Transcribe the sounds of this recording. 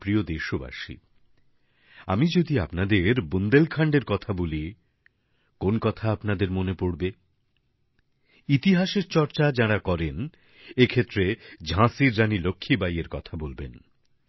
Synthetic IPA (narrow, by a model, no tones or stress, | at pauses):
pɾiod̪eʃoba̰ʃḭ | a̰mid͡ʑod̪iapnad̪eɾbund̪elkʰaɳɖeɾkɔt̪ʰaboli | konkɔt̪ʰaapnad̪eɾmonepoɽbe | it̪iɦaʃeɾt͡ɕɔɾt͡ɕad͡ʑaɽakɔɾen | ekʰet̪ːɾed͡ʑʱãsiɾːanilokʰːibajeɾkɔt̪ʰabolben